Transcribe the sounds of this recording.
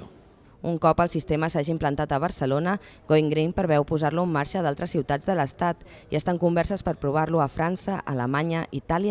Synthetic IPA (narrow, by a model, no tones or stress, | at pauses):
uŋkɔpəlˠsist̪eməsaʒimplənt̪at̪əβ̞əɾsəlonə | ɣoiŋɡɾimpəɾβɛwpuzaɾluəmːaɾʃəðalˠt̪ɾəsːiwt̪ad͡zðələst̪at̪iəst̪aŋkumbɛrsəspəɾpɾuβ̞arluəfɾansəʔə̰ləmaɲəʔit̪aljə